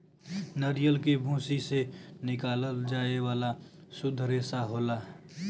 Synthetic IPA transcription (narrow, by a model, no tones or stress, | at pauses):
nəɾijəlkebʱũːsisenɪkaːləld͡ʒaːeʋaːlasʊd̪ʱɾeːsaɦoːlaː